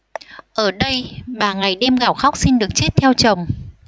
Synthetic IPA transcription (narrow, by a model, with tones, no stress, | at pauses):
ʔəː˧˩ɗə˧jɓaː˨˩ŋa˨˩jɗɛ˧mɣaː˧˩wxa˦˥k͡p̚si˧nɗɨ˨˩ək̚t͡ɕe˦˥t̚t̪ʰɛ˧wt͡ɕə˨˩wŋ͡m